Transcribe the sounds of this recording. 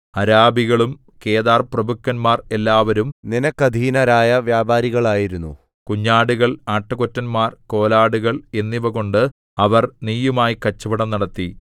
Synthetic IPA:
ɐɾaːbiɣɐɭum | ke̞ːðaːrprɐbʱukːɐnmaːre̞lːaːʋɐɾumninɐkːɐd̪ʱiːnɐɾaːjɐʋjaːbaːɾiɣɐɭaːjiɾunːṵ | kuɲːaːɽuɣɐɭaːʈːɐko̞tːɐnmaːrko̞ːlaːɽuɣɐɭe̞nːiʋɐɣo̞ɳɖɨ | ɐʋɐrniːjumaːjikɐt͡ɕːɐbɐɽɐmnɐɽɐt̪ːi

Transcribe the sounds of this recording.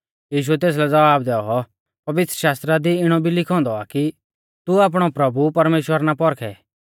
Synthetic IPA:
jiːʃ̬ʊɛt̪eːs̬lɛd͡zɐʋaːbd̪ɛːɔɔ | pɐʋɪt̪ɾəʃaːst̪ɾad̪iɪɽ̃ɔbʱilɪkʰɔ̃ːnd̪ɔa̰ki | t̪uaːp̬ɽ̃ɔpɾɐbupɐɾmeːʃwəɾnapɔɾkʰɛ̰ː

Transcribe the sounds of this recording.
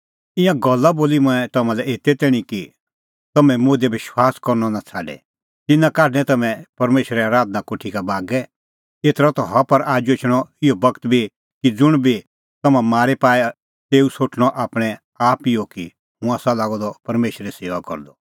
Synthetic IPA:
ɪ̃jãɡɔlːaboːlimʊ̃ɛ̃t̪ɐmãlɛeːt̪ɛt̪ɛːɽ̃iki | t̪ɐmɛ̃moːd̪ɛbɪʃwaːskɔɾnɔnat͡sʰaːɖɛ̰ | t̪ɪnãkaːʈnɛ̃t̪ɐmɛ̃pɐɾmeːʃəɾɛaːɾaːd̪̚nakʊʈʰikabaːɡɛ | eːt̪ɾɔt̪ɔɦɐpɐɾaːd͡ʒot͡ʃʰɽ̃ɔɪɔbɐkt̪bʱi | kid͡zʊɽ̃bʱi | t̪ɐmãmaːɾɛpaːɛ | t̪eːusoːʈʰɽ̃ɔʔaːpɽ̃ɛ | aːpɪoki | ɦũãːsalaːɡɔd̪ɔpɐɾmeːʃəɾiseːʋakɔ̰ɾd̪ɔ

